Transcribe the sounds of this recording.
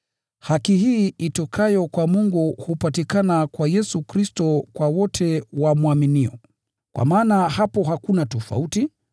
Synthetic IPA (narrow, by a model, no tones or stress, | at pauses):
hakihiːitɔkʰajɔkwamuŋɡuhupatikanakwajɛsukɾistɔkwawɔtʰɛwamuaminiɔ | kwʔa̰maːnahapɔɦakunatɔfa̰uti